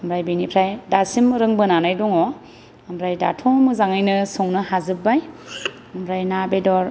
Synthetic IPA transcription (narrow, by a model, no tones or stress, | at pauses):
mɾajbenipʰɾajdasimɯɾɯŋbɯnanajdɔŋɔ | amɾajda̰tʰɔmɯzaŋajnɯsɔŋnɯɦazɯbaj | ɯmbɾajnabedɔɾ